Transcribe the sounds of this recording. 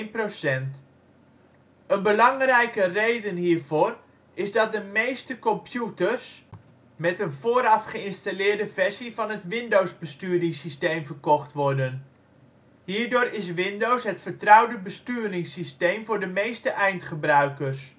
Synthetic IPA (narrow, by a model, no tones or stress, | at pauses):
nprosɛnt | ənbəlɑŋrɛjkərejdənhiːɹvoːr | ɪzdɑt̚dəmejstəkɔmpʰjutərs | mɛtənvoːɾɑfχəɪnstalɪːɹdəvɛɹsivɑnɦətʋɪndowzbəstyːɾɪŋsistejmvəɹkɔχtʋɔɹdən | hiːɹdʊːɾɪs̬ʋɪndowsɦətfəɹtrʌwdəbəstyːɾɪŋsistejmvʊːɹdəmejstəʔɛjntχəbrœɥkərs